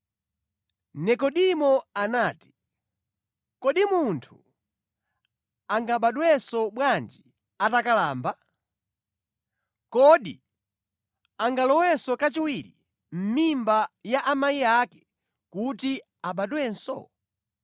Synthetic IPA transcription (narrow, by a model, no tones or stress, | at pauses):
nɛkɔɗimɔanaːti̥ | kɔɗimuntʰu | aŋɡaɓaɗwɛsɔɓwand͡ʒi | atakala̰ːmba | kɔɗḭ | aŋɡalɔwɛsɔkat͡ʃiwiɾḭ | m̩mimbajaʔamaiakɛ̥ | kuti | aɓaɗwɛnsɔ̰